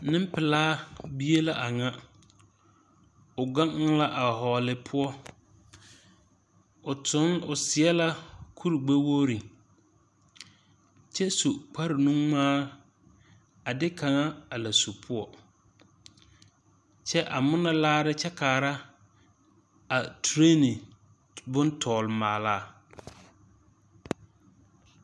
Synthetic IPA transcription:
nɪ̃˦m˦pɪ˨laː˦bi˦e˦la˦ʔa˨ŋa˦ | ʊ˨ɡa˦ŋ̩˦la˦ʔa˨ɦɔː˨lɪ˨pʰʊ˦ɔ˦ | ʊ˨tʰʊ˨˦nʊ˨sɪ˨ɛ˦la˦kʰu˦ɾi˨ɡ͡be˦wo˦ɾi˨ | t͡ʃɛ˦su˨k͡pa˦ɾɪ˨nũ˦ŋmaː˦ | a˨dɪ˦ka˨ŋa˦a˨la˨su˨pʰʊ˦ɔ˨ | t͡ʃɛ˦ʔa˨mʊ˦na˨laː˦ɾɪ˦t͡ʃɛ˦kaː˨ɾa˦ | a˨tʰu˨ɾe˦nɪ˨ | bʊ˦ntʰɔː˨lmaː˨laː˦˨

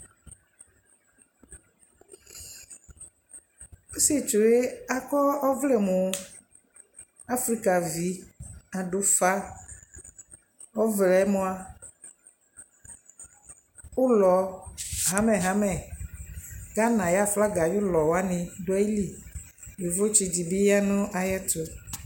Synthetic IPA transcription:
e˦se˦˨t͡ʃo˨je˦a˦kɔ˦ɔ˦vle˨mõ˨ | a˦fɾi˦ka˨vi˨a˨ɖo˨fa˦ | wɔ˦vlɛ˨˦mõ˦a˦ | o˦lɔ˨ɦa˨˦mɛ˨ɦa˨˦mɛ˨ | ɡa˦nã˨ja˦˨fla˦ɡa˨jo˦lɔ˨wa˦nĩ˨ɖɔ˦e˦li˨ | je˨vo˦t͡ʃi˨d͡ʒi˨bi˦ja˦nũ˦ʔa˨jɛ˦t̪o˨

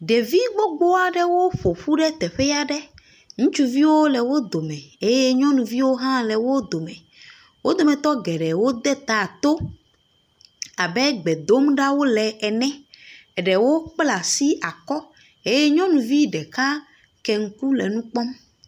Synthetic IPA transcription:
ɖɛ˨vi˦ɡ͡bɔ˦ɡ͡bo˦a˨ɖɛ˦wo˦ɸo˨ɸu˦ɖɛ˦t̪ɛ˨ɸe˦ja˦ɖɛ˦ | ŋũ˦t͡ʃu˦vi˦wo˦lɛ˨wo˦d̪o˨mɛ̃˨e˦jɛ˦ɲɔ̃˦nũ˨vi˦wo˦ɦã˦lɛ˨wo˦d̪o˨mɛ̃˨ | wʔo˦d̪o˨mɛ̃˨t̪ɔ˦ɡɛ˨ɖɛ˨wo˦d̪ɛ˦t̪a˨t̪o˦ | a˨bɛ˦ɡ͡bɛ˨d̪o˦mɖa˦wo˦lɛ˨ɛ˨nɛ̃˦˨ɖɛ˨wo˦k͡pla˨si˦ʔa˨kɔ˦ | e˦jɛ˦ɲɔ̃˦nũ˨vi˦ɖɛ˨ka˦ | kɛ˨ŋ̩˦ku˦lɛ˨nũ˦k͡pɔ˦m

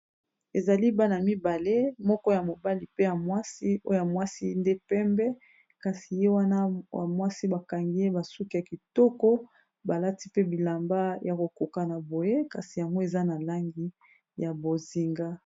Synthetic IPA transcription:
e˨za˨li˦ba˦na˨mi˦ba˨le˦mɔ˦kɔ˦ja˨mo˨ba˦li˨pe˦ja˨mwa˦si˦o˦o˦ja˨mwa˦si˦nde˦pɛ˦mbɛ˦ | ka˨si˨je˦wa˦na˦a˨mwa˦si˦ba˨ka˨ŋɡi˦e˦ba˨su˦ki˨ja˨ki˨tɔ˦kɔ˦ | ba˨la˦ti˦pe˦bi˨la˨mba˦ja˨ko˨ko˨ka˨na˨bo˨je˦ka˨si˨ja˨ŋɡo˦e˨za˦na˨la˦ŋɡi˦ | ja˨bo˨zi˨ŋɡa˦

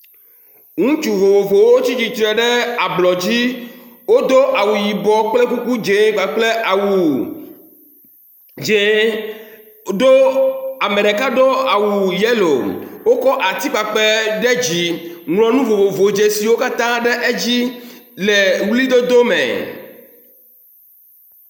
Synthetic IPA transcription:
ŋũ˦t͡ʃu˨vo˨vo˨vo˨wo˦t͡ɕi˦t͡ɕi˨t̪ɾɛ˨ɖɛ˦a˨blɔ˨d͡ʑi˦ | wo˦d̪o˦ʔa˨wu˨ji˨bɔ˦k͡plɛ˦ku˦ku˦d͡ʒe˨˦ɡ͡ba˨k͡plɛ˦ʔa˨wu˨ | d͡ʒe˦ | ɖo˦a˨me˨ɖɛ˨ka˦ɖo˦a˨wu˨je˦lo˨wo˦kɔ˦ʔa˨t̪i˦k͡pa˨k͡pɛ˦ɖɛ˦d͡ʑi˨ | ŋlɔ̃˨nũ˦vo˨vo˨vo˨d͡ʒe˨si˨wo˦ka˦t̪ã˦ɖɛ˦ʔe˦d͡ʑi˦le˨wli˦d̪o˦d̪o˦mɛ̰̃˨

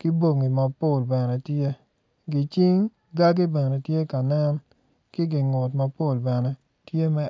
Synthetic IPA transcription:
kɪ˦bo˨ŋi˨ma˨po˦˨lbɛ˨nɛ˨tje˦ | ɡɪ˨t͡ʃi˦ŋ | ɡa˦ɡɪ˦bɛ˨nɛ˨tje˦ka˨nɛ˦n | kɪ˦ɡɪ˨ŋʊ˨tma˨po˦˨lbɛ˨nɛ˨ | tje˦mɛ˦

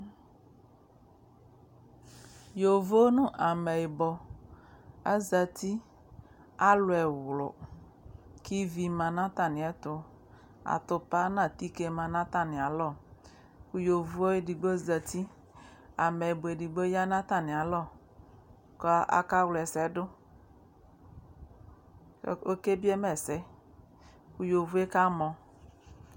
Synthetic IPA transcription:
jo˨vo˦nũ˦ʔa˨mɛ˨i˨bɔ˨ | a˦za˨t̪i˦ | a˦lʊ˨ɛ˨wlʊ̰˨ | ki˦vi˨mã˨nã˦t̪a˨nɪ̃˨ɛ˦t̪ʊ˨ | a̰˨t̪ʊ˨pa˦nã˦˨t̪i˦ke˦mã˨nã˦t̪a˨nɪ̃˨a˨lɔ˦˨ | ku˦jo˨vu˦o˦di˨ɡ͡bo˦zə˨t̪i˦ | a˨mɛ˨bu˨e˨di˨ɡ͡bo˦ja˦nã˦t̪a˨nɪ̃˨a˨lɔ˦˨ | kɔ˦a̰˦ka˦wlɛ˨sɛ˨˦dʊ˦˨ | o˦ke˦bi˦ɛ˦mɛ˨sɛ˦ | ku˦jo˨vu˦e˦ka˦mɔ̃˨

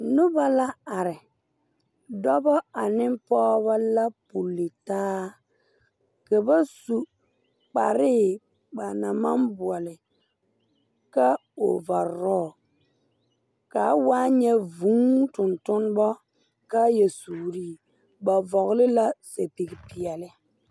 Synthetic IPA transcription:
nʊ˦ba˦la˦a˨ɾɪ˨ | dɔ˦bɔ˦a˨nɪ˦mpɔː˦ba˦la˦pu˨lːɪ˨taː˦ | kɛ˨ba˦su˨ | k͡pa̰˨ɾɪː˦ | ba˨na˨ma˦mbʊ˨ɔ˨lɪ˨ | ka˦o̰˨va˨ɾɔː˦˨ | ka˨˦waː˦ɲɛ˦vũ˦tʊ˨ntʊ˦nbɔ˦ | ka˦je˨suː˨ɾiː˦˨ | ba˨vɔ˨ɣlɪ˦la˦se˨pi˨ɡpi˨ɛ˨lɪ˦

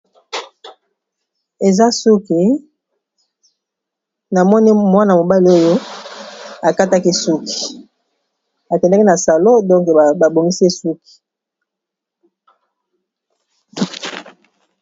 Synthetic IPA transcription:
e˨za˦su˦ki˨ | na˨mɔ˦ni˦mwa˦na˨mo˨ba˦li˦o˦jo˦ | a˨ka˦ta˦ki˦su˦ki̥˨ | a˨kɛ˨nda˦ki˦na˨sa˨lo˦dɔ˦ŋke˨ba˨bo˨ŋɡi˦se˦su˦ki̥˨

